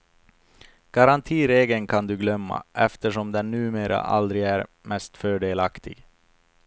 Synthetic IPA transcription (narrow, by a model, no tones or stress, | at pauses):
ɡ̥aɾant̪ʰiːɾeːɡənkʰand̪ɵɡlœmːa̰ʔɛft̪əʂɔmd̪ɛnːʉ̟ːmeːɾʔa̰ʔa̰ld̪ɾɪæɾ | mɛst̪fœːɖeːlakt̪ʰɪɡ̥